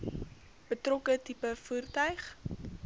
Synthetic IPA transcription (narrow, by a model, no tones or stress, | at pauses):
b̥ətrɔkətipəfuːrtœɥχ